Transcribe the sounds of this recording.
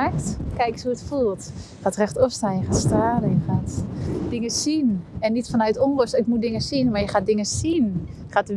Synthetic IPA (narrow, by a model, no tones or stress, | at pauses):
ɛktkɛjkəsuətfulˠtjəxaːtrɛxtɔfstaːnjəxaːtstaːdəjəxatdɪŋəsinɛnːitfanœɥtoŋləstɪk̚mudɪŋəsinmajəxaːt̚dɪŋəsin | xatə